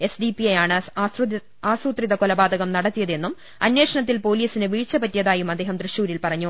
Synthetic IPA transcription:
e̞sɖipiɐjaːɳɨ | aːsuːt̪riðɐkolɐbaːd̪ʱɐɣɐmnɐɽɐt̪ːijɐðe̞nːum | ɐnwe̞ːʂɐɳɐt̪̬ːilpo̞ːliːsinɨʋiːɻt͡ɕːɐpɐtːijɐðaːjumɐd̪ːeːɦɐmt̪rɨɕuːɾilpɐrɐɲːu

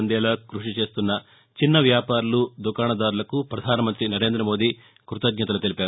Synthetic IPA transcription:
nd̪ɛːlɐkɾuʂit͡ʃe̞ːst̪unːɐ | t͡ʃinːɐʋjaːpaːɾulud̪ukaːɳɐd̪aːɾulɐkupɾɐd̪ʱaːnɐmɐnt̪ɾinɐɾe̞ːnd̪ɾɐmo̞ːd̪i | kɾut̪ɐɡɲɐt̪ɐlut̪e̞lipaːɾ

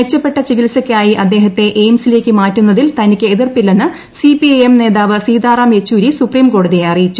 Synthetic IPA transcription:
et͡ɕːɐpːe̞ʈːɐt͡ɕiɡilsɐkʲːaːjiʔɐd̪ːe̞ːɦɐt̪ːe̞ʔejmsile̞ːkʲːɨmaːtːunːɐðilt̪ɐnikʲːɨeðirpilːɐnːɨ | sipiɐjemne̞ːðaːʋɨsiːd̪aːraːmjet͡ɕːuːɾisupriːmko̞ːɽuðijeɐrijit͡ɕːu̥

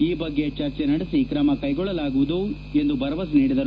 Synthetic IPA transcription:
iːbɐɡːe̞t͡ʃɐɾt͡ʃenɐɽesikɾɐmɐkɐjɡɔɭːɐlaːɡuʋud̪u | e̞nd̪ubɐɾɐʋɐsniːɽid̪ɐɾu

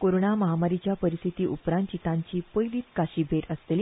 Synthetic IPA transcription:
koɾoɳaməɦamaɾit͡ɕjapəɾist̪ʰit̪iːʔupɾãnt̪t͡ɕit̪ãɲt͡ɕiːpəjliːt̪kaɕiːbʱeɾəst̪eli

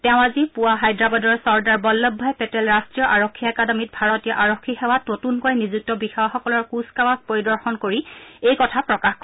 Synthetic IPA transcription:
tɛʊ̃azipʊwaɦajdɹabadɔɹsɔɹdaɹbɔlːɔbʱːɔjɛpɛtɛlɹastɹijɔʔaɹɔkʰːiɛkadamit̚bʱaɹɔtijɔʔaɹɔkʰːixɛwatnotunkojnizuk̚tɔbixawaxɔkɔlɔɹkuskawaspoɹidɔɹxɔnkoɹiejkɔtʰapɹɔkaxkɔ

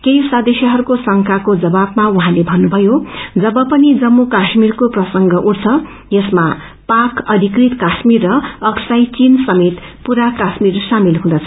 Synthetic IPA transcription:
kejsad̪esjʌɦʌɾukosʌŋkʰakod͡zʌbabmauɦãlebʱʌnːubʱʌjod͡zʌbʌpʌnid͡zʌmːokasmirkoprʌsʌŋɡʌʔuʈt͡sʰʌ | jʌsma | pakʌd̪ʱikrit̪kasmirːʌʌksajt͡sinsʌmet̪puɾakasmirsamilɦũd̪ʌt͡sʰʌ

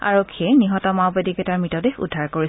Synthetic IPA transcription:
a̰ɹokʰːiɛniɦɔtɔmawbedikɛtaɹmɹitɔdexṵdʱːaɹkoɹi

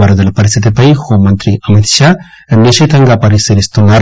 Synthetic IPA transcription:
aɾɐd̪ɐlɐpɐɾisit̪epɐjhomɐnt̪ɾiʔɐmɐt̪ʃa | nːeʃet̪ɐŋɡapɐɾiseɾist̪unaɾ

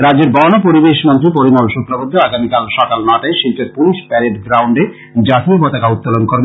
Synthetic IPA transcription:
ɾad͡ʑeɾbɔnopoɾibeʃmont̪ɾip̬oɾimolʃokɾabod̪ʱːoaɡamikalʃɔkalnaʈaeʃilt̪eɾpuliʃpɛɾeɖɡɾawɳɖe | d͡ʑat̪ipɔt̪akaut̪̚ːalonkoɾbe

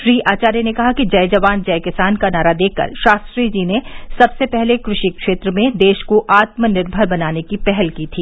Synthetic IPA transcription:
ʃɾiːʔaːt͡ʃaːɾjenekɐɦakid͡ʒɐjd͡ʒɐʋaːnd͡ʒɐjkɪsaːnkanaːɾad̪eːkːɐ̰ɾʃaːst̪ɾiːd͡ʒinesɐbsepɛɦlekɾʊʃikʃeːt̪ɾəmẽd̪eːʃkoʔaːt̪mənɪɾbʱəɾbɐnaːnekipɛɦɛlkiːt̪ʰiː

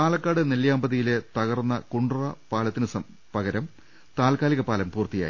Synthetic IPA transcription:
t̪aːlɐkːaːɽɨneljaːmbɐðijile̞t̪ɐɣɐrnːɐkuɳɖurɐpaːlɐt̪ːinɨsɐ | pɐɣɐɾɐm | t̪aːlkaːliɣɐpaːlɐmpuːrt̪ːija̰ːji

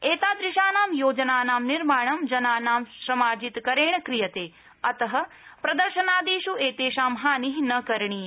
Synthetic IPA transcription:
eːt̪aːd̪ɾɪʃaːnaːmjoːd͡ʒɐnaːnaːmniɾmaːɳɐmd͡ʒɐnaːnaːmʃɾɐmaːd͡ʒit̪kɐɾeːɳɐkɾijɐt̪eː | ɐt̪ɐɦɐ̆ | pɾɐd̪ɐɾʃɐnaːd̪iːʃueːt̪eːʃaːmɦaːniɦnɐkɐɾɳ̃iː

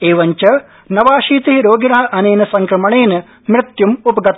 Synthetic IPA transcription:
eːʋɐɲt͡ʃɐ | nɐʋaːʃiːt̪iɦiɾoːɡiɳaːʔɐneːnɐsɐŋkɾɐmɐɳeːnɐ | mɾɪt̪jumupɐɡɐt̪

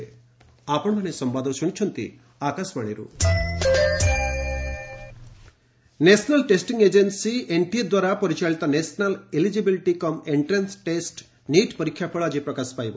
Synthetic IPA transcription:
aːpɐɳlɐneːsɐmbaːd̪ɐʃunt͡ʃʰɐnt̪ḭ | aːkasmɐːɳḭɾṵ | neːsɐnɐlʈeːsʈiŋɡeːd͡ʒensiʔeɳʈijɐd̪ʋaːɾaːpoɾit͡ʃaːɭit̪ɐneːsɐnɐlelid͡ʒibiliʈikɐmeɳʈɾensʈeːsʈ | niːʈpɐɾikʰjapʰɐɭaːd͡ʒipɾɐkɐspɐj

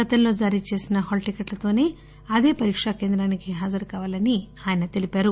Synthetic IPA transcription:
ɡɐt̪ɐnlo̞ːd͡ʒaːɾiːt͡ʃe̞ːsinɐɦoːlʈikeʈlɐt̪o̞ːne̞ː | ɐd̪e̞ːpɐɾiːkʂɐkeːnd̪ɾaːnikiɦaːd͡ʒɐɾkaːʋaːlɐni | aːjɐnɐt̪e̞lipaːɾu

